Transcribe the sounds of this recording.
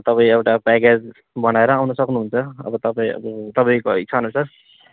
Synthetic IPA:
t̪ʌpaĩewʈapaked͡z | bʌnaeɾʌawnʌsʌknuɦunt͡sʰʌʌ̰bʌt̪ʌpaĩʌ̰bt̪ʌpaĩkoḭt͡sʰanusʰʌ

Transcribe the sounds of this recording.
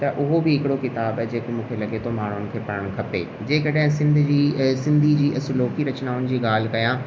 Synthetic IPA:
t̪ɐʔʊɦobɪɦɪkɪɽokɪt̪aːbd͡ʑeːkomũːkʰelɐɠet̪ʰomaːɳ̤ʊnɪ̆kʰeːpɐɾəɽ̃kʰɐpḛː | d͡ʑeːkɐɗɦɪ̃sɪ̃nd̪ʱd͡ʑiːsɪ̃nd̪ʱid͡ʑiːʔɐsʊloːkiɾɐt͡ɕnaːʊnɪ̆d͡ʑiːɠaːl̤ɪkɐjãː

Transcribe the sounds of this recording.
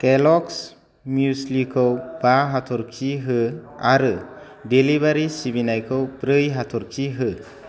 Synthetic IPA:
kelɔks | mjuslikʰɯwb̥aɦatʰɔɾkʰiɦɯaɾɯ | delibaɾisibinajkʰɯwbɾɯjɦatʰɔɾkʰiɦɯ

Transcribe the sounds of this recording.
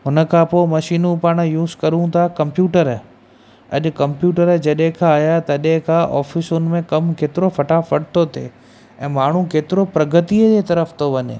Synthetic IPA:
ɦʊnə̆kʰãpoːɪmɐʃiːnũpaːɽ̃juːzkɐɾũt̪ʰakɐ̃mpjuːʈəɾ | ɐ̰ʄʊ̆kɐ̃mpjuːʈəɾd͡ʑɐɗɦẽkʰãːjat̪ɐɗɦẽkʰãʔɔ̰ːfɪsʊnɪ̆mẽkɐmkeːt̪ɪɾofɐʈafɐɽt̪ʰot̪ʰḛ | ɛ̰̃ːmaːɳ̤ũkeːt̪ɪɾopɾɐɡət̪iəd͡ʑet̪ɐɾəft̪ʰoʋɐɲḛː

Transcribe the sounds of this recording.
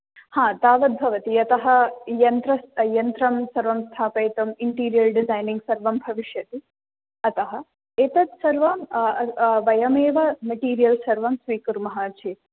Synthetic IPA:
hãːt̪aːʋɐd̪̚bʱɐʋɐt̪iɐt̪ɐɦɐ̆jɐnt̪ɾɐsjɐnt̪ɾɐmsɐɾʋɐmst̪ʰaːpɐjt̪ɐmiɳʈiːɾijɐlɖizajniŋɡsɐɾʋɐmbʱɐʋiʃjɐt̪i | ɐt̪ɐɦɐ̆ | et̪ɐt̪sɐɾʋɐ | ʋɐjɐmeːʋɐmɐʈiːɾijɐlsɐɾʋɐmsʋiːkuɾmɐɦɐt͡ʃʰeːt̪

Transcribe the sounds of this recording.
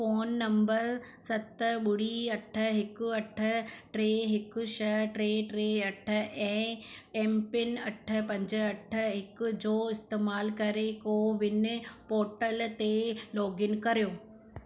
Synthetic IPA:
foːnːɐ̃mbəɾsɐt̪ɓʊɽ̤iɐʈʰə̆ɦɪkʊ̆ɐʈʰə̆ʈɾeːɦɪkʊ̆ʃɐɦʈɾeːʈɾeːɐʈʰə̆ɛ̃ːɛːmpɪnɐʈʰə̆pɐ̃ɲd͡ʑə̆ɐʈʰə̆ɦɪkʊ̆d͡ʑoːɪst̪eːmaːlkɐɾekoːʋɪnɪ̆poːʈəlt̪elɔːɡɪnkɐɾijoː

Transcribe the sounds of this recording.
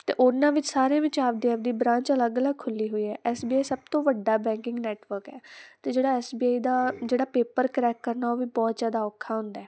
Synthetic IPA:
t̪ḛːʔoɾnãːʋɪt͡ʃsaːɾeãːʋɪt͡ʃaːpd̪iːaːbd̪iːbɾãːɲt͡ʃələɡələɡ̚kʰʊlːiːɦoːiːɛ̰ːʔɛːsbiːaːisəb̚t̪õːʋəɖːaːbɛ̃ːŋkɪ̃ŋɡnɛːʈʋəɾkɛːt̪eːd͡ʒeːɽaːɛːsbiːaːiːd̪aːd͡ʒeːɽaːpeːpəɾkəɾɛːkːəɾnaːoːʋiːbɔːt̪zjaːd̪aːɔːkʰːaːɦʊ̃nd̪aɛː

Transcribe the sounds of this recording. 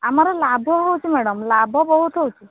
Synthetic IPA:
amaɾelabʱɔɦowt͡ʃʰimɛɽəmlabʱɔbɔɦut̪ɦowt͡ʃʰi

